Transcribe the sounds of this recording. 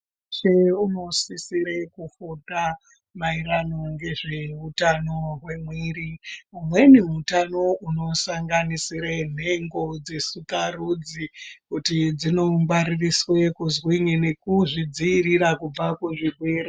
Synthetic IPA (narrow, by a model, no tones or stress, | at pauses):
t͡ʃeuno̞sisiɾekufuta | maiɾano̞ŋɡe̞ʐe̞utanoɦwe̞mwiːɾiumwe̞neutanouno̞saŋɡanisiɾen̤e̞ŋɡo̞d͡ze̞sukarud͡zikutid͡zino̞mbaririswekuzwiŋine̞kuʐid͡ziːɾiɾakub͡vakuʐibwiri